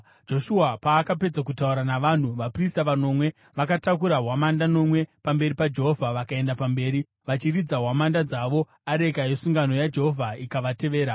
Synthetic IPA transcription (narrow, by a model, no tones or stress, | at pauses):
d͡ʒo̞ʃuapaːkape̞d͡zakutauɾanaʋan̤uʋapristaʋano̞mwe̞ | ʋakatakuɾaɦwamandano̞mwe̞pambe̞ɾipad͡ʒe̞ɦovʱaʋakae̞ndapambe̞ːɾi | ʋat͡ʃirid͡zaɦwamandad͡zaʋo̞ | aɾe̞kajesuŋɡano̞jad͡ʒe̞ɦo̞vʱaikaʋate̞ʋe̞ːɾa